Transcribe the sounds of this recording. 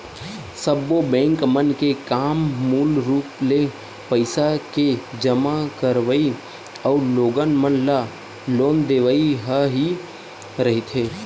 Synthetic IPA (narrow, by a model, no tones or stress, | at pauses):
səbːobɛ̃ːŋkmənkekaːmːuːlɾuːple | pəɪsaked͡ʒəmakəɾʋəi | ɔʊɾloːɡənmənla | loːnd̪eːʋaiɦəɦi | ɾəɦet̪ʰeː